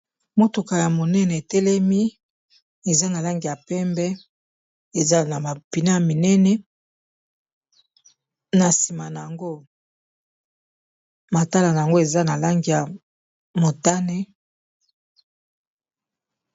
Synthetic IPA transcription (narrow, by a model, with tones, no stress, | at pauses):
mo˨to˨ka˨ja˨mo˨nɛ˦nɛ˨e˨tɛ˦lɛ˦mi˦ | e˨za˦na˨la˦ŋɡi˨ja˨pɛ˦mbɛ˦ | e˨za˦na˨ma˨pi˨na˦ja˨mi˨nɛ˦nɛ˦ | na˨si˨ma˨na˨a˨ŋɡo˦ | ma˨ta˦la˨na˨a˨ŋɡo˦e˨za˦na˨la˦ŋɡi˨ja˨ | mo˨ta˦ne˦